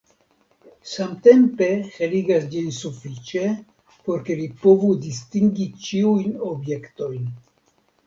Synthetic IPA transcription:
samte̞mpe̞xeliɡasd͡ʒinsufit͡ʃe̞ | po̞ɾke̞lipo̞vudistiŋɡit͡ʃiujno̞bje̞kto̞jn

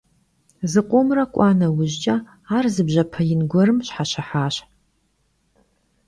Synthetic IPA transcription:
zɨqʷʼʊmrɐkʷʼɑːnɐwʊʑt͡ʃʼɐ | aːrzɨbʑɐpʰɐjɪnɡʷɔɾɨmɕħaɕɐħaːɕ

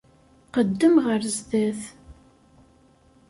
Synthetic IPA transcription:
qəd̪ːəmʁəɾzðæθ

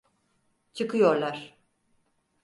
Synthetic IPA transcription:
t͡ʃʰɯkɯjo̞ɾlˠaɾ̥

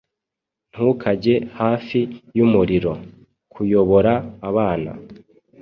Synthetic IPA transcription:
n̥hukʰaɟe̞haːfijumuɾiɾo̞ | kʰujo̞βo̞ɾaːβaːna̰

